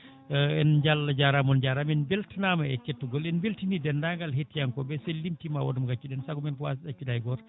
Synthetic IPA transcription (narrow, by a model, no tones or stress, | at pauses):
ɛnd͡ʒalːad͡ʒaɾamɔnd͡ʒaɾamɛnbeltinamaɛkːetːuɡɔlɛnbeltinidɛndaŋɡalɦetːijaŋkɔbɛsɛlimtimawɔ̰dumɡat͡ʃːuɗɛnsakɔmɛnkwa̰sɗat͡ʃːudajɡɔɾ